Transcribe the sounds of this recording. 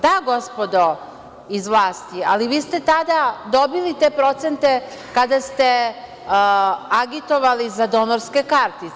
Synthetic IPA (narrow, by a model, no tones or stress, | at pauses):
d̪aɡo̞spo̞d̪o | izʋlˠaːst̪ia̰liʋiːst̪et̪ad̪ad̪o̞bilit̪e̞ːpɾo̞t̪sent̪e̞ | kad̪ast̪e̞ | aɡit̪o̞ʋalizad̪o̞noɾske̞kaɾt̪i